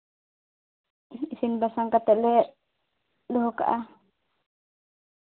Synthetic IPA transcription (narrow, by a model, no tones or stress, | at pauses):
isinbasaŋkat̪ɛʔlɛ | luɦɔka̰ʔa